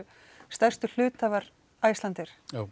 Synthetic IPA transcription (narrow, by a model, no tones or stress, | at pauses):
st̪ɛr̥st̪ʏl̥ʏːt̪aːvaɾ | aːjst̪lant̪ɪɾ̥a